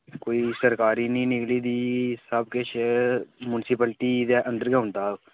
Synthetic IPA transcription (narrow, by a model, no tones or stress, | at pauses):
koːiːsəɾkaːɾiːnĩːnɪkliːd̪iːsəbkɪʃemʊnsɪpəlʈiːd̪ɛːʔə̃nd̪əɾɡɛʊ̃nd̪aː